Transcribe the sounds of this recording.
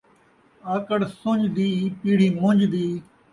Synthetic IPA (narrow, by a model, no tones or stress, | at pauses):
aːkəɽsõɲd͡ʒd̪iːpiːɽ̤iːmʊ̃ɲd͡ʒd̪iː